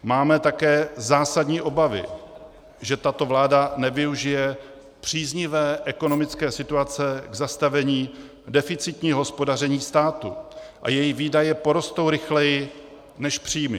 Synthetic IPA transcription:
maːmɛt̪akɛːzaːsadɲiːʔo̞bavɪ̰ | ʒɛt̪at̪o̞vlaːdanɛvɪuʒɪjɛ | pr̝̥iːzɲɪvɛːʔɛko̞no̞mɪt͡skɛːsɪt̪uat͡sɛɡzast̪avɛɲiː | dɛfɪt͡sɪt̪ɲiːɦo̞spo̞darɛɲiːst̪aːt̪ṵʔa̰jɛjɪviːdajɛpo̞ɾo̞st̪o̞wɾɪxlɛjɪ | nɛʃpr̝̥iːmɪ

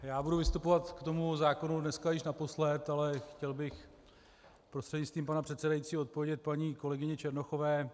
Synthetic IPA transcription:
jaːbuduvɪst̪upo̞vat̪kt̪o̞muzaːkonudnɛskajɪʃnapo̞slɛt̪alɛxcɛlbɪx | pɾost̪r̥ɛdɲɪt͡sst̪viːmpanapr̝̥ɛt̪sɛdajit͡siːot̪̚povjɛɟɛt̪̚paɲiːko̞lɛɡɪɲɛt͡ʃɛɾno̞xo̞vɛː

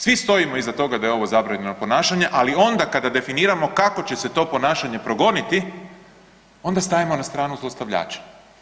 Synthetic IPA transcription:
sʋist̪o̞imo̞izat̪o̞ɡad̪ajeo̞ʋo̞zabɾaɲe̞nopo̞naːʃaɲeʔalio̞nd̪akad̪ad̪e̞finiːɾamo̞kako̞t͡ɕe̞se̞t̪o̞po̞naːʃaɲe̞pɾo̞ɡo̞nit̪i | o̞nd̪ast̪aʋimo̞nast̪ɾaːnuzlˠost̪aʋʎa̰ːt͡ʃḁ

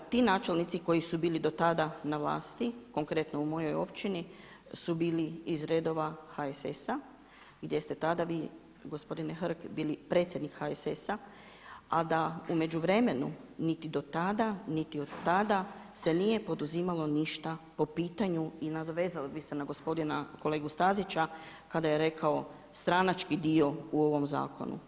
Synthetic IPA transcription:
t̪iːnaːt͡ʃe̞lˠnit̪siko̞jisubiːlid̪o̞t̪ad̪anaʋlˠa̰ːst̪iko̞ŋkɾe̞t̪noumo̞jo̞jo̞pt͡ʃini | subiːliizɾe̞ːd̪o̞ʋaxaesesa | ɡd̪je̞st̪e̞t̪ad̪aʋiː | ɡo̞spo̞d̪inexɾkbiːlipɾe̞t̪sjed̪nikxaesesa | ad̪aume̞d͡ʒuʋɾe̞me̞nṵnit̪id̪o̞t̪ad̪anit̪io̞d̪t̪ːad̪ase̞nije̞po̞d̪uziːmalo̞niʃt̪apo̞piːt̪aɲuinad̪oʋe̞ːzalibisenaɡo̞spo̞d̪inako̞le̞ːɡust̪azit͡ʃa | kad̪aje̞ɾe̞kʰao̞ | st̪ɾanat͡ʃkid̪io̞uo̞ʋo̞mza̰ːko̞̰nṵ

